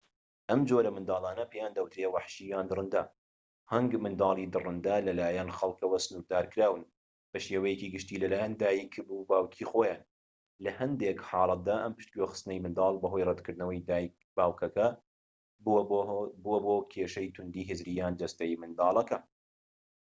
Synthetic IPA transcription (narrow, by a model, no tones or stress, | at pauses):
ʔɐmd͡ʒoːɾɐmɨnd̪ɑːlˠɑːnɐpʰejaːnd̪ɐwt̪ɾewaħʃijaːnd̪ɨrˤɨnd̪ɐ̰ | hɐŋɡmɨnd̪ɑːlˠiːd̪ɨrɨnd̪alɐlaːjɐnxɐlˠkɐwɐsɨnuɾ̚d̪aːɾkɾaːwɨn | b̥ɐʃeːwɐjekiːɡɨʃt̪iːlɐlaːjand̪aːjikʰbubaːwkʰiːxoːjaːn | lɐhɐnd̪eːkħɑːlˠɐt̪̚d̪aːʔɐmpɨ̥ʃt̪koxɨ̥st̪ɨnɐjmɨnd̪ɑːlˠbɐɦojrˤɛd̪kʰɨɾd̪nɐwɐjd̪aːjk | b̥aːwkʰɐkɐ | b | buwɐboːkʰeːʃɐjt̪ʰʊnd̪iːɦɪzɾijaːnd͡ʒ̪ɐst̪ɐjmɨnd̪ɑːlˠɐkɐ